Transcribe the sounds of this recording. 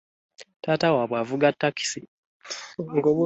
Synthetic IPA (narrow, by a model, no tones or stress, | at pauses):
taːtawaβwavuɡatːaki̥si | ŋɡoβ